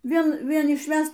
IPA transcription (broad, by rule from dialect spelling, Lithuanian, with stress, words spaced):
ˈʋʲiɛn ˈʋʲiɛn ɪʃʲˈʋʲæst